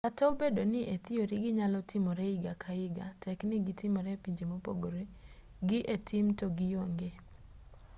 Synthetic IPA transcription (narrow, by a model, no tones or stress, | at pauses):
katɔbedonɪʔet̪ioɾɪɡɪɲalɔtʰɪmɔɾɛɪɡakʰaɪɡatɛknɪɡɪtɪmɔɾɛpiɲd͡ʒemopo̰ɡoɾe | ɡɪʔetʰɪmtoɡɪjoŋɡe